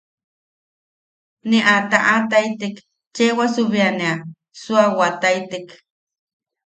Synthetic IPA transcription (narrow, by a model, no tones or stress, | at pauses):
neʔat̪aʔat̪ajt̪ek | t͡ʃewasuβianẽa | suawat̪ajt̪ek